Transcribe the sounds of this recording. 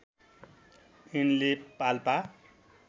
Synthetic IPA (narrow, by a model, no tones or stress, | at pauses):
inlepalpa